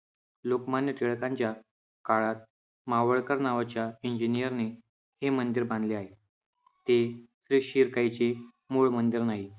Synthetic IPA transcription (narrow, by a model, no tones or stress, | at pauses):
lokmanjəʈ̪ʰeɭkãɲt͡ɕja | kaɭat̪̚ | maʋəɭkəɾnaʋat͡ɕjaiɲd͡ʑinijəɾne | hemənd̪iɾbãnd̪leaɦe | t̪esɾiʂiɾkajt͡se | muɭmənd̪iɾnaɦi